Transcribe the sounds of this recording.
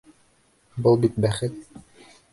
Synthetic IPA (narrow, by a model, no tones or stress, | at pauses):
bɤlˠbit̪̚bæχɘt̪̚